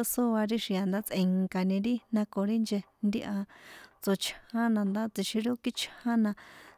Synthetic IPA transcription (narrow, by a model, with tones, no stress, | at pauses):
o˧so˦a˧ɾi˦ʃĩ˨˧a˨nd̪a˦t͡sʔẽ˧ŋka˧nĩ˧ɾi˦nã˧ko˨ɾi˦nd͡ʒe˧nd̪i˦ʔa˧t͡so˧t͡ʃʰhã˦nã˧nd̪a˦t͡si˧ʃi˧ɾi˦o˦ki˦t͡ʃʰhã˦nã˧